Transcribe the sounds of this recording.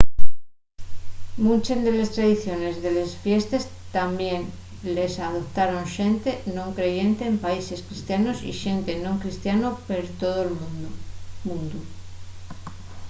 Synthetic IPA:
mũnt͡ʃend̪ele̞st̪ɾaðiθjo̞ne̞zðele̞sfje̞st̪es | t̪ambje̞n | le̞saðo̞p̚t̪aɾoŋʃe̞nt̪enõ̞ŋkɾe̞ʝe̞nt̪e̞ːmpaise̞skɾist̪janosḭʃe̞nt̪e̞nõŋkɾist̪janopeɾt̪oð̞oelm | mũnd̪u

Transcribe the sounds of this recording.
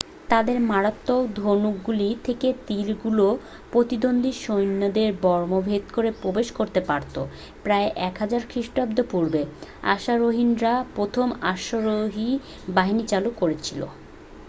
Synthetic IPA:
t̪ad̪eɾmaɾat̪ːod̪ʱonukɡulit̪ʰeket̪ilɡulo | pɾot̪id̪ond̪ʱiʃojnːod̪eɾbɔɾmobʱed̪koɾepɾobeʃkoɾt̪epaɾt̪o | pɾaeʔɛkɦad͡ʑaɾkʰɾiʃʈab̚d̪opuɾbea̰ʃaɾoɦinɾapɾot̪ʰomaʃoɾoɦi | baɦinit͡ɕalukoɾet͡ɕʰilo̰

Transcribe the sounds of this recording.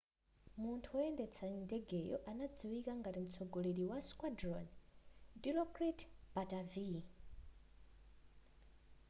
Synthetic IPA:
muntʰuɔɛndɛt͡sʰandɛɡɛjɔ̰ʔanad͡ziwikaŋɡatim̩t͡sʰɔɡoleɾiwaskwadrɔndilɔkritb̥atavi

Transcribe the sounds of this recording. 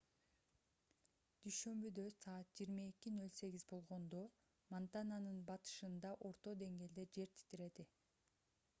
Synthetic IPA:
d̪̥yjʃø̞mbyd̪ø̞sɑːɑt̪̚d͡ʒijːɾmaekinø̞lʲse̞ɡʲizbo̞lˠʁo̞nd̪o̞ | mant̪ananɯnbɑt̪ɯ̥ʃɯnd̪ɑʔo̞ɾt̪o̞d̪e̞ŋɡe̞ːld̪e̞d͡ʒe̞ɾt̪ʰi̥t̪iɾe̞d̪i

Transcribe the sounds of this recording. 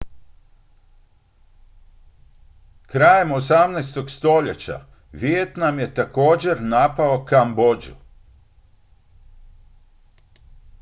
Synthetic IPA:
kɾaːjemo̞samnɛjst̪o̞ɡst̪o̞ʎe̞t͡ɕa̰ | ʋjet̪namje̞t̪ako̞ːd͡ʑe̞ɾnapao̞kambo̞d͡ʑṵ

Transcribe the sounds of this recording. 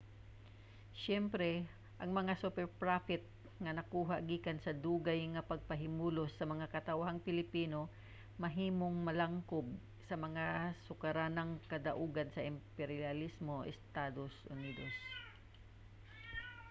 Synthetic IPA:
ʃɛmpɾɛ | ʔɐŋmɐŋasupɛɹpɹafɪt̪̚ | ŋɐnɐkuːɦaʔɡiːkɐnsɐd̪uːɡajŋɐpɐɡ̚pɐɦɪmuːlosːɐmɐŋakɐt̪ɐwɦaŋpɪlɪpiːno̞ | mɐɦiːmo̞ŋmɐlaŋkob̚ | sɐmɐŋasʊkɐɾanɐŋkɐd̪ɐʔuːɡɐnsɐʔɪmpɛɾɪɐlismo̞ʔɛ̰st̪ad̪osʔʊniːd̪os

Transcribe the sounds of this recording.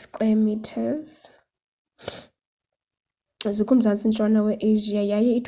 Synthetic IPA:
skʼwɛmitʰɛz | zikʼum̩zant͡sʼin̩t͡ʃʼwanawɛʔeʒiajajɛitʰʼ

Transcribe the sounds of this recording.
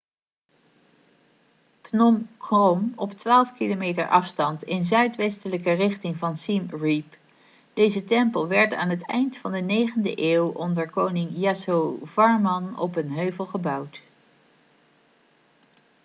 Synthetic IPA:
pnɔmkrɔmɔptʋaːlˠfkilomejtə̰ɹʔɑfstɑntɪnzœɥtʋɛstələkərɪχtɪŋvɑnsimɹip | d̥ejzətɛmpəlˠʋɛɹta̰ːnɦətɛ̰jntfɑndənejχəndə̰ʔeːwʔɔndəɹkownɪŋjasowvɑɹmɑnɔ̰pənɦøɥvəlˠχəbɑwt

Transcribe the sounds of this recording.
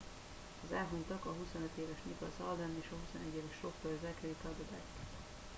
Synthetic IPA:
ɒzaːɦunt̪ɒkɒɦusonøt̪eːvɛʃɲikɒzɒld̪ɛneːʃɒɦusonɛɟːeːvɛʃro̞kpøɾzɛkɛlik̪ɒld̪od̪at̪

